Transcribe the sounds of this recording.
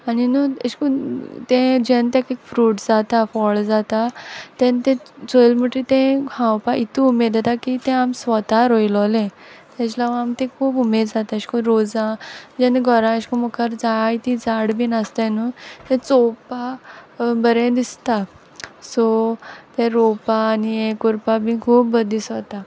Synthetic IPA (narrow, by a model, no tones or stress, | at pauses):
aninuəɕkũt̪ẽd͡ʑɛnt̪ẽkekfɾuːʈd͡zat̪afɔɭd͡zat̪at̪ɛ̃nt̪ẽt͡sojlməʈit̪ẽhãwpaʔit̪uumed̪at̪akit̪ẽamsʋɔt̪aɾojlɔlẽ | t̪ɛ̃t͡ɕlaʋamt̪ẽkʰuːpumed͡zat̪aɕkõɾod͡zãd͡ʑenɡʱɔɾãɕkɔmɔkʰəɾd͡zait̪id͡zaɽbinast̪enət̪ɛ̃t͡sopa | bəɾẽd̪ist̪a | sɔt̪ẽɾopaːniekuɾpabĩkʰuːpbəd̪ʱiːsʋət̪a